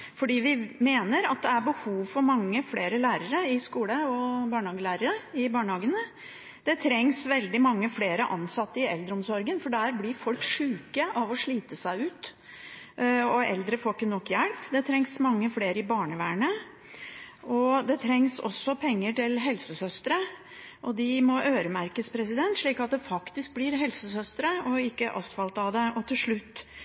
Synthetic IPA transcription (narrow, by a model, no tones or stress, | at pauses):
fɔɖiːʋɪmeːnəɾɑ̰t̪̚d̪ɛæɾbəhuːʋfɔɾmɑŋːəfleːɾəlæːɾəɾəɪskuːləɔbɑːɳəhɑːɡəlæːɾəɾəɪbɑːɳəhɑːɡənə | d̪̥ɛt̪ʰɾɛŋsʋɛld̪ɪmɑŋːəfleːɾəʔɑnsɑt̪ːəɪɛld̪ɾəɔmsɔɾɡənfɔɖæɾblɪɾfɔlkʂʉːkəʔɑʋɔʂɭiːt̪əsæɪʉːt̪ | ɔɛ̰ld̪ɾəfɔlkənɔkːjæɽpd̪ɛt̪ʰɾɛŋsmɑŋːəfleːɾəɪbɑːɳəʋæːɳə | ʔɔd̪ɛt̪ʰɾɛŋsɔ̰sɔpʰɛŋːəʈɪlɦɛlsəsœst̪əɾə | ʔɔd̪ɪmɔʔøːɾəmæɾkəspʰɾɛsɪd̪ɛnt̪ʂɭiːkɑt̪̚d̪ɛfɑkt̪ɪsk̚blɪɾɦɛlsəsœst̪əɾəʔɔɪkːəʔɑ̰st̪fɑlt̪ɑd̪ɛʔɔt̪ʰɪlʂɭʉt̪ː